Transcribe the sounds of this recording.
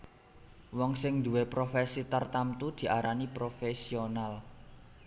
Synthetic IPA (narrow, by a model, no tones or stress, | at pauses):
wɔŋsɪŋd̪uwepɾofesit̪art̪amt̪ud̪̥i̤ʔaɾanipɾofesional